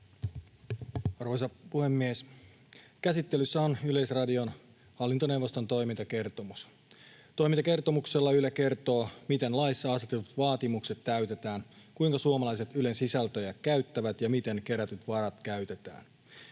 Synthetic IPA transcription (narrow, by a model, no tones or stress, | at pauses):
ɑrʋo̞jsɑpuhe̞mːies | kæsit̪ːe̞lysːæonyle̞jsrɑdio̞n | hɑlːint̪onewʋːo̞st̪o̞nt̪o̞jmint̪ɑke̞rt̪o̞mus | t̪o̞imint̪ɑke̞rt̪o̞mukselːɑylæke̞rt̪o̞ːmit̪e̞nlɑisːɑɑst̪et̪et̪ut̪ʋɑːt̪imukse̞t̪t̪ːæyt̪e̞t̪æːn | kuiŋkɑsuomɑlɑjse̞t̪ylensisælt̪øjækkæyt̪ːæʋæt̪jɑmit̪e̞ŋke̞ɾæt̪yt̪ʋɑɾɑt̪kæɥt̪e̞t̪æ̰ːn